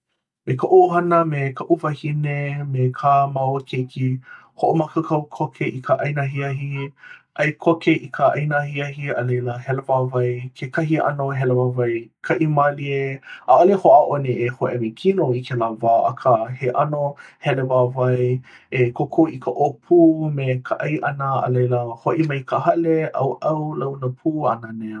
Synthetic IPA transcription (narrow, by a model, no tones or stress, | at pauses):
mekəʔoɦɐnəmekʰɐʔuvɐhinemekʰamawokʰekʰi | hoʔomakəkʰɐwkʰokʰeʔikʰəʔɐjnaɦiɐɦiʔɐjkʰokeʔikʰəʔɐjnahiɐɦiɐlejləhɛlevavɐjkʰekɐɦiʔɐ̰noɦɛlevavɐjkʰɐʔimalieʔaʔolehoʔaʔoneehoʔemekʰinoikʰelavaːʔɐ̰kʰəheʔanohɛlevavɐj | ekʰokʰowikəʔopʰumekʰəʔɐjʔɐnəɐ̰lejləhoʔimɐjkəhɐleʔɐ̰wʔɐwlawnəpʰuːɐ̰nəne